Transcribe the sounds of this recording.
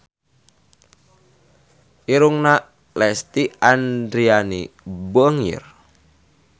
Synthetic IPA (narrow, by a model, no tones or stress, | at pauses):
ʔiɾuŋna | lɛst̪iandɾianibɔŋḭr